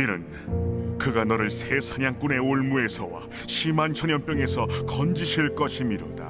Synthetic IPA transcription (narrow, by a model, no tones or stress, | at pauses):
iɾɯ̰n | kɯɡanʌɾɯɭsʰesʰaɲaŋk͈une̞oɭmue̞sʰʌwa̰ | ɕʰimant͡ɕʰʌɲjʌmp͈jʌŋe̞sʰʌkʌnd͡ʑiɕʰiɭk͈ʌɕʰimiɾo̰da̰